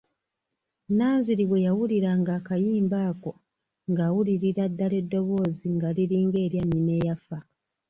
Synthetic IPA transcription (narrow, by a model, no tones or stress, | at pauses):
naːnziɾiβwe̞jawuliɾaŋɡaːkajiːmbaːko̞ | ŋɡaːwuliɾiɾadːale̞dːo̞βo̞ːziŋɡaliɾiːŋɡe̞ːɾjanine̞jafa